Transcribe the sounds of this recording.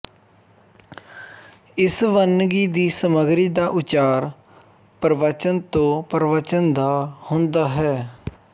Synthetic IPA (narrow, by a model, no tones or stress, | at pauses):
ɪsʋənɡiːd̪iːsəməɡɾiːd̪aːʔʊt͡ʃaːɾ | pɾəʋaːt͡ʃənt̪õːpɾəʋaːt͡ʃənd̪aːhʊ̃nd̪aːɦɛː